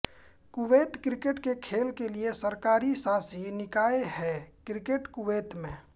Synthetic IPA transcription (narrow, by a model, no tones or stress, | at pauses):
kʊʋeːt̪kɾɪkeʈkekʰeːlkeliesəɾkaːɾisãːsinɪkaːeɦɛːkɾɪkeʈkʊʋeːt̪mẽː